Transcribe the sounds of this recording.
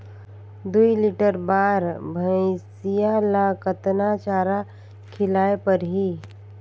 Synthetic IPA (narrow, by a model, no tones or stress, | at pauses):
d̪uilɪʈəɾbaːɾbʱə̃sijalakət̪nat͡ʃaːɾa | kʰɪlaːepɐɾɦiː